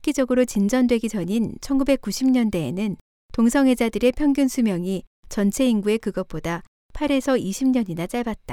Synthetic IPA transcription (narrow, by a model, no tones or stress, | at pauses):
k͈id͡ʑʌɡɯɾot͡ɕind͡ʑʌndwe̞ɡid͡ʑʌɲint͡ɕʰʌnɡube̞k͈uɕʰimɲʌnde̞̰ːnɯn | toŋsʰʌŋɦwe̞d͡ʑadɯɾe̞pʰjʌŋɡjunsʰumjʌŋit͡ɕʌnt͡ɕʰe̞iŋɡue̞kɯɡʌp͈oda | pʰaɾe̞sʰʌiɕʰimɲʌɲinat͡ɕ͈aɭbat̚t͈a